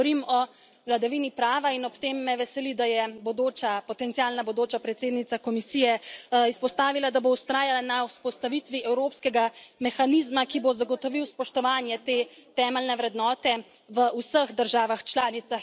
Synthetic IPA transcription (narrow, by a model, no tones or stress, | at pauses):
ɔɾimɔ | wlad̪aʋiːnipɾaːʋainɔpt̪eːmːɛʋɛsɛlid̪ajɛbod̪oːt͡ʃapɔt̪ɛnt̪siaːlnabod̪oːt͡ʃapɾɛt̪seːd̪nit̪sakɔmisijɛispɔst̪aːʋilad̪aboust̪ɾaːjalanawspɔst̪aʋit̪ʋiʔɛwɾoːpskɛɡamɛxaniːzmakibozaɡɔt̪ɔʋiwspɔʃt̪ɔʋaːnjɛt̪eːt̪ɛːmɛlnɛʋɾɛd̪nɔːt̪ɛ | ʋəusəɣd̪əɾʒaːʋaxt͡ʃlaːnit̪sax